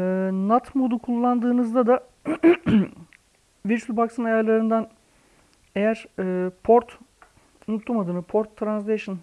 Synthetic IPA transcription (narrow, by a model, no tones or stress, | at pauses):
ɛːnat̪mo̞d̪ukʰulˠːand̪ɯːnɯzd̪ad̪a | viɾt͡ʃylʲˠbaksɯnajaɾlˠaɾɯnd̪an | e̞jæɾ̥ɯːpʰoɾt̪ | unut̪ʰːumad̪ɯːnɯpʰoɾt̪ʰːɾans̬lʲeʃɯn